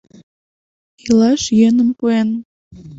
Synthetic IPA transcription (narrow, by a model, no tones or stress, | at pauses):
ilɑʃjønəmpuen